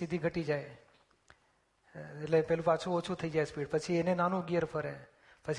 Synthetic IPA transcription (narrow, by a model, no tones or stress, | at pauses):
sid̪ʱiɡʱəʈid͡ʒae | eʈlepɛɦlũpat͡ʃʰũot͡ʃʰut̪ʰəid͡ʒaespiːɖɽpət͡ʃʰienenanũɡijəɾpʰəɾɦɛ̰ | pət͡ʃʰ